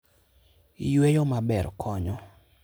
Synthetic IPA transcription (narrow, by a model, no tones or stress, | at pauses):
ijwejɔmabɛrkʰɔɲɔ